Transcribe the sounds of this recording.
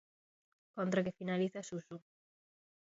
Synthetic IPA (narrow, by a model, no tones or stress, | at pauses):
kont̪ɾakefinaliθasusu